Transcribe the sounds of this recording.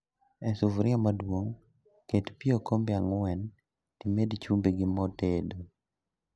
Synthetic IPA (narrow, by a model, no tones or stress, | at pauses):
ɛsuvɾɔmadwoŋ | ketpiokombjaŋwɛn | timedt͡ʃumbeɡɪmɔtedo